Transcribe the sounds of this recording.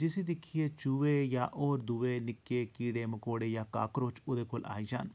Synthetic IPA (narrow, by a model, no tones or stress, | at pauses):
d͡ʒɪsid̪ɪkʰijet͡ʃuʋejaːʔɔːɾd̪uʋenɪkːekiːɽemɐkoːɽejaːka̰ːkɾoːt͡ʃʊd̪eːkola̰ːid͡ʒa̰ːn